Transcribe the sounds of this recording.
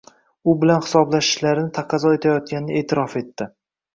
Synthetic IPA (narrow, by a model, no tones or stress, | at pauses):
ʊbɪlanhɪ̥sɒblaʃɪ̥ʃlaɾɪnɪt̪ʰaqʰɑzɒe̞t̪ʰajɒt̪̚kʲanɪnɪʔe̞ːt̪ʰɪɾɒfe̞t̪ːɪ